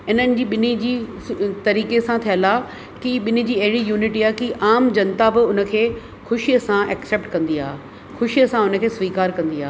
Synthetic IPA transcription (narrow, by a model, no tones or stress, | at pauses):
ɪnənɪ̆d͡ʑiːɓɪnid͡ʑiː | t̪ɐɾiːkesãt̪ʰijəlaː | kiɓɪnid͡ʑiːɐɦɪɽijuːnɪʈiːaːɦkiʔaːmd͡ʑɐ̃nt̪abɪʊnə̆kʰeː | xʊʃijəsãʔɛkseːp̚ʈkɐ̃nd̪ia̰ː | xʊʃijəsãʊnə̆kʰeːsʋiːkaːɾkɐ̃nd̪iaː